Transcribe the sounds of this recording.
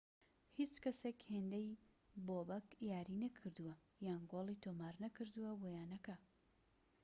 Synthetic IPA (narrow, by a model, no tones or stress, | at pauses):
hit͡ʃkɐsekheːnd̪ɐj | boːbɐkjaːɾinɐkʰɨɾd̪uwɐ | jaːnɡoːlˠit̪ʰomaːɾnɐkɨɾd̪uwɐbojaːnɐkɐ